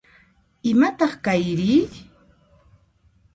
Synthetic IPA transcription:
ɪmat̪ɑχkajɾiː

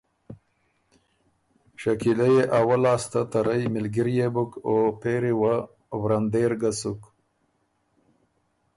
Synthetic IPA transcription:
ʃakilajeʔawalɑːst̪at̪aɾajmɪlɡɪɾjebʊkopeɾiwa | wɾand̪eɾɡasuk

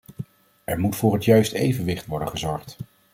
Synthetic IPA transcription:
ʔɛɹmutfʊːɹɦətjœɥstejvənʋɪχtʋɔɹdə̰̃nχəzɔɹχt

